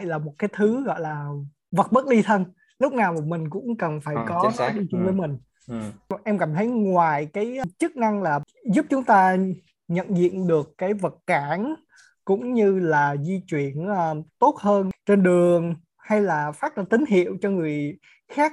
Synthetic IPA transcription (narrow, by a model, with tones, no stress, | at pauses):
jlaː˨˩mo˨˩t̚kaː˨˦jt̪ʰɨ˨˦ɣɔ̰˧˨jlaː˨˩ | və˨˩t̚ɓə˦˥t̚li˧t̪ʰə˧n | lʊ˦˥k͡p̚naː˨˩wm˨˩mï˨˩ŋ̟kʊ̰˧˥ŋ͡mkə˨˩nfaː˧˩jkɔ˨˦t̪aː˨˦ɗi˧t͡ɕʊ˧ŋ͡mvəː˨˦jmï˨˩ŋ̟ | ʔɛ˧mkaː˧˩mt̪ʰə˨˦jŋwaː˨˩jkaː˨˦jt͡ɕɨ˦˥k̚na˧ŋlaː˨˩ | zu˦˥p̚t͡ɕʊ˨˦ŋ͡mt̪aː˧ | ɲə̰˧˨nzḭ˧˨ənɗɨ˨˩əkkːaː˨˦jvə˨˩t̚kaː˧˩n | kʊ̰˧˥ŋ͡mɲɨ˧laː˨˩zi˧t͡ɕwi˧˩˨ənːt̪o˦˥t̚həː˧nt͡ɕe˧nɗɨ˨˩əŋ | ha˧jlaː˨˩faː˦˥t̚ɗə˧˩t̪ï˨˦ŋ̟ɦḭ˧˨əwt͡ɕɔ˧ŋɨ˨˩əj | xaː˦˥k̚